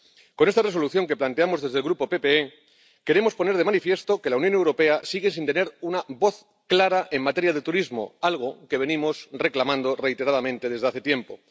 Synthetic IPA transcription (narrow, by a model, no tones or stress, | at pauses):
ko̞ne̞st̪are̞so̞luθjo̞ŋke̞plant̪e̞amo̞zðezðelɣɾupo̞pe̞pe̞e | ke̞ɾe̞mo̞spo̞ne̞ɾð̞emanifje̞st̪o̞ke̞launjone̞wɾope̞asiɣ̞e̞sint̪e̞ne̞ɾunaβo̞θ | klaɾaʔe̞mat̪e̞ɾjað̞e̞t̪uɾizmo̞̰alɣ̞o̞ke̞β̞e̞nĩmo̞sre̞klamãnd̪o̞re̞jt̪e̞ɾaðamẽnt̪e̞ðezeaθe̞t̪je̞mpo̞